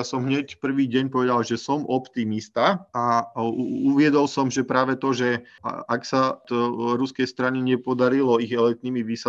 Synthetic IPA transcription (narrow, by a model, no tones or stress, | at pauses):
asɔmɦɲɛcpr̩ʋiːɟɛɲpɔʋɛd̪alʒɛsɔmʔɔpt̪imist̪aa | uʋɪɛd̪ɔlsɔmʒɛpɾaːʋɛt̪ɔʒɛ̰ | ʔaksa | ɾuskɛjst̪ɾaɲiɲɛpɔd̪aɾilɔiɣɛlɛk̚t̪niːmiʋiːsa